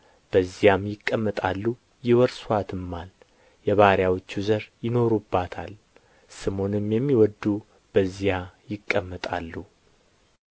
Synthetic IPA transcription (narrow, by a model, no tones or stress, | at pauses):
b̥əzːijamjɪkʼːəmːət̪ʼalːu | jɪwɔɾswat̪ʰɨmːal | jɛβaɾjawot͡ʃːuzəɾjɪno̞ɾubːat̪ʰa̰l | sɨmo̞nɨmjɛmːiwɔd̪ːu | b̥əzijajɪkʼːəmːət̪ʼa̰lːu